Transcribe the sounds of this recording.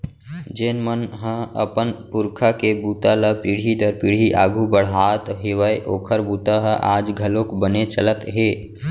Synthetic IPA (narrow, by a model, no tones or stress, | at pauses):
d͡ʒeːnmənɦə̃ə̰pənpʊɾkʰakebuːt̪aləpiɽ̤id̪əɾpiɽ̤iʔaːɡʱubəɽ̤ɦaːt̪ɦeːʋəeʔoːkʰəɾbuːt̪aɦəʔaːd͡ʒɡʱəlõkbənet͡ʃələt̪ɦeː